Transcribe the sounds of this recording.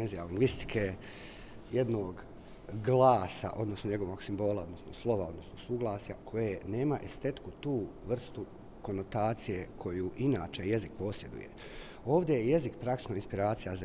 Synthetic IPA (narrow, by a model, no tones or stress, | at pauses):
enzijaliŋɡʋist̪i̥kʰe | jed̪noːɡ | ɡlˠaːsa̰ʔo̞d̪no̞sno̞ɲe̞ɡo̞ʋo̞ːɡsimbo̞ːlˠao̞d̪nosnoslˠo̞ʋao̞d̪no̞sno̞suːɡlˠaːsja̰kʰo̞jene̞ːmaʔest̪e̞t̪kut̪uːʋr̩st̪u | ko̞no̞t̪aːt̪sije̞kʰo̞juːʔinaːt͡ʃe̞je̞zikpo̞ːsje̞d̪ṵjḛ | o̞ːʋd̪ʲe̞jeje̞zikpɾakt̪i̥t͡ʃnoinspiɾaːt̪sijaz